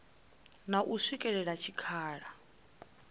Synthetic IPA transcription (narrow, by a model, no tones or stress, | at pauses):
naʔuʂʷikʼɛɺɛɺat͡ʃʰikʰaːɺa